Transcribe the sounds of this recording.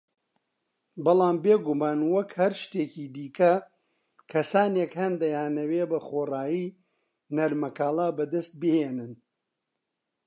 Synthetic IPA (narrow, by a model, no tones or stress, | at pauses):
bɨlˠaːmbeɡumaːnwɐkhɐɾʃt̪eːciːd̪iːkɐ | kʰɐsaːnekhɐnd̪ɐjaːnɐweːbɐχoːraːjiː | nɐɾmɐkaːlˠaːbɐd̪ɐst̪̚bɨheːnɨn